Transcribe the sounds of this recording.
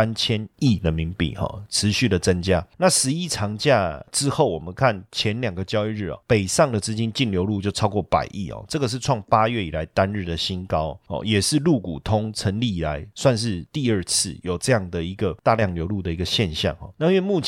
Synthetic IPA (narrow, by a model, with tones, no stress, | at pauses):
a˥nt͡ɕʰjɛ˦ni˥˩d̪ə˩mi˧˥ŋpḭ˨˩xɔ̰˨˩ʈ͡ʂʰɻ̩˧˦ɕy˥˩d̪ə˩t͡sə˦nt͡ɕja˦na˥˨ʂɻ̩˧˦i˥ʈ͡ʂʰɑ˧˥ŋt͡ɕja˥˧ʈ͡ʂɻ̩˦˥xo˥˩ʊwɔ˨˩mə˦nkʰa˥˩nt͡ɕʰjɛ˧˦nljɑ˨˩ŋɡə˦t͡ɕjɑ˥ʊi˥˧ɻ̩˥˩ɔ̰˨˩pe˨˩ɪsɑ˥˩ŋd̪ə˨t͡s̩˦˥t͡ɕi˥nt͡ɕi˥˩nljo˧˥ʊlu˥˧t͡ɕjo˥˩ʊʈ͡ʂʰɑ˥ʊkwɔ˥˩pa̰˨˩ɪʔi˥˩hɔ̰˨˩ʈ͡ʂɤ˥˩ɡə˩ʂ̬̩˥˧ʈ͡ʂʰwɑ˥˩ŋpa˦ɥɛ˥˩i˨˩la˧˦˥ɪt̪a˦nɻ̩˥˩d̪ə˩ɕi˥nkɑ˥ʊhɔ̰˨jɛ˨˩ʂɻ̩˥˧lu˥˩ku˨˩t̪ʰʊ˥ŋt͡sʰə˧˥nli˥˩i˨˩la˧˦ɪswa˥˧nʂ̬ɻ̩˥˧t̪i˥˧ə˞˥˧t͡s̩ʰ˥˩jo˨˩ʊʈ͡ʂɤ˥˧jɑ˥˩ŋd̪ə˨i˧˥ɡə˨t̪a˥˧ljɑ˥˩ŋljo˧˥ʊlu˥˩d̪ə˩i˧˥ɡə˧ɕjɛ˥˧nɕjɑ̰˥˨ŋhɔ̰˨˩na˥˧˥wɛ˥˧mu˥˩t͡ɕʰ